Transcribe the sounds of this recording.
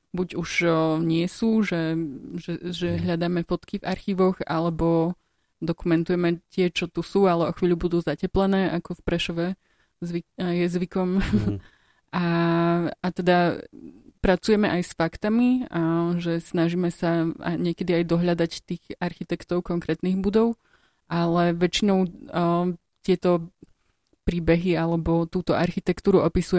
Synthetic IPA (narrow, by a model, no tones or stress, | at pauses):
buɟuʒɲɪɛsuːʒɛʒɛʒɛɦʎad̪aːmɛfɔt̪kivʔaɾxiːʋɔɣa̰lɛbɔ | d̪ɔkumɛnt̪ujɛmɛt̪ɪɛt͡ʃɔt̪usuːalɛɔxʋiːʎubud̪uːzacɛplɛnɛːʔakɔfpɾɛʃɔʋɛ | zʋijɛzʋikɔm | a | at̪ɛd̪a | pɾat͡sujɛmɛʔajsfakt̪amiʒɛsnaʒiːmɛsaa̰ɲɪɛkɛd̪iajd̪ɔɦʎad̪act̪iːɣaɾxit̪ɛkt̪ɔʊkɔŋkɾɛːt̪niːɣbud̪ɔʊ | ʔalɛʋɛt͡ʃinɔʊ | t̪ɪɛt̪ɔ | pɾiːbɛɦialɛbɔt̪uːt̪ɔʔaɾxit̪ɛkt̪uːɾuɔpisujɛ